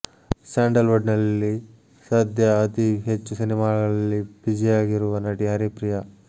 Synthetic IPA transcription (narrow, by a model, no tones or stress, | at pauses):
saːɳɖɐlʋɐɖnɐlːi | sɐːd̪ʱjɐːt̪iɦet͡ʃːusinimaːɭɐlːibid͡ʒijaːɡiɾuʋɐnɐʈiɦɐɾipɾijɐ